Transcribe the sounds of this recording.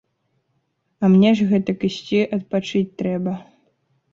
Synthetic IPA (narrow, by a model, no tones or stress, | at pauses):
ɐmnʲɛʐɣɛt̪ɐkɨɕʲt͡sʲiʔɐt̪̚pat͡ʂɨt͡sʲt̪ɾɛbɐ